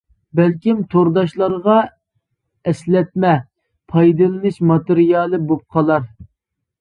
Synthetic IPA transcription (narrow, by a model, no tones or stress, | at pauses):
bɛlkʲimt̪ʰoɾd̪ɑʃlˠɑɾʁɑ | ɛslɛt̪̚mɛ | pʰɑjd̪ɨlˠɨnɨʃmɑt̪ɨɾijɑlˠɨbop̚qʰɑlˠɑɾ